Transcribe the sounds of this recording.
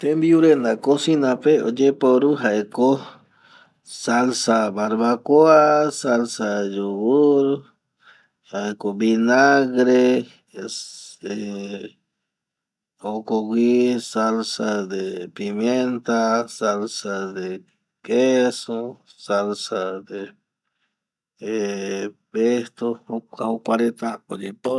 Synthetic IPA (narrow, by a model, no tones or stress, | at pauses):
t̪embiuɾenakosinãpeod͡ʒepoɾuɦaeko | salsaβaɾβakoasalsad͡ʒoɣuɾ | haekobinaɣɾe | e | okoɡʷisalsad̪epimjent̪asalsad̪e | kesosalsad̪e | e | pest̪ooaukʷaɾet̪akod͡ʒipo